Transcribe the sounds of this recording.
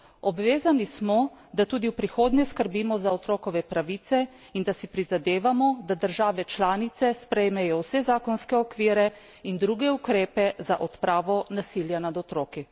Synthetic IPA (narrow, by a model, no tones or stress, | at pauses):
ɔbʋeːzanismɔd̪at̪uːd̪iwpɾixoːd̪nʲjɛskəɾbimɔzaɔt̪ɾoːkɔʋɛpɾaʋiːt̪sɛ | ind̪asipɾizad̪eːʋamɔd̪ad̪əɾʒaːʋɛt͡ʃlaːnit̪sɛspɾɛjmɛjɔwsɛzaːkɔnskɛɔkʋiːɾɛ | ind̪ɾuɡɛukɾeːpɛzaʔɔt̪pɾaːʋɔnasiljanad̪ɔt̪ɾoːki